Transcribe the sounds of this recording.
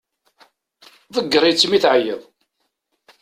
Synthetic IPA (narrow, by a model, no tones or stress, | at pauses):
ðˤəɡːəɾˤit͡sːmiθʕjəðˤ